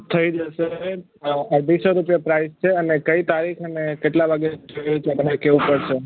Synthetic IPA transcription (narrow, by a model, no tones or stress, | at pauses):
t̪ʰəid͡ʒəʃe | abisoɾupjəpɾaist͡ʃʰeənekəit̪aɾikʰəmekeʈlaʋʱaɡed͡ʒəeut͡ʃʰpənekeʋũpəɽʃʰe